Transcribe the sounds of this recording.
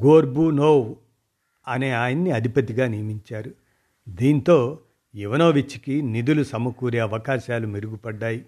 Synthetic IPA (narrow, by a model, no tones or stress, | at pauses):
ɡoːɾbunoːw | ɐne̞ːaːjɐnːiɐd̪ʱipɐt̪iɡaːnijɐmiɲt͡ʃaːɾu | d̪iːnt̪o̞ː | iʋɐno̞ːʋit͡ʃːikinid̪ulusɐmɐkuːɾeɐʋɐkaːʃaːlumiɾuɡupɐɖːaːji